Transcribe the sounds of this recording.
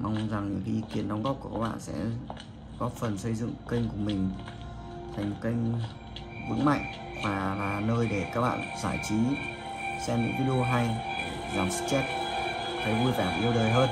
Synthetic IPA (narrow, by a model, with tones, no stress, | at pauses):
ma˧wŋ͡mza˨˩ŋɲɨ̰˧˥ŋxi˧ki˨˩ənɗwŋ͡mɣɔ˦˥p̚ku˧˩kaː˦˥k̚ɓa̰ː˧˨nsɛ̰˧˥ | ɣɔ˦˥t̚fə˨˩nsə˧jzɨ̰˧˨ŋkï˧ŋ̟kuʊ˨˩əmï˨˩ŋ̟ | t̪ʰa˨˩ŋ̟mo˨˩kï˧jŋ̟ | vɨ̰˧˥ŋma̰˧˨jŋ̟ | vaː˨˩laː˨˩nəː˧jɗe˧˩kaː˦˥k̚ɓa̰ː˧˨nzaː˧˩jt͡ɕi˨˦ | sɛ˧mɲɨ̰˧˥ŋvi˧˥ɗi˧o˧ɦa˧j | zaː˨˩msɨ̥˦˥t͡ɕɛ˦˥t̚ | t̪ʰə˨˦jvu˧jfaː˧˩m˨ʔi˧əwɗəː˨˩jɦəː˧n